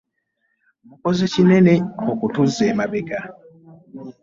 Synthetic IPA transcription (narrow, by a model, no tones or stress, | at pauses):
ukozecineneokutuzeːmabeka